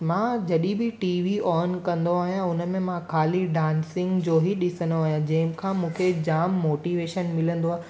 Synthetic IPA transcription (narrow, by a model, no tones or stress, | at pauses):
mãːd͡ʑɐɗĩbɪʈiːʋiɔːnkɐ̃nd̪oaːɦijãʊnə̆mẽmãkʰaːliɖãːnsɪ̃ŋɡd͡ʑoːɦiɗɪsənd̪oaːɦijãd͡ʑɐ̃ɦɪ̃mɪkʰãːmũːkʰed͡ʑaːmːoːʈiʋeːʃənmɪlə̃nd̪oaː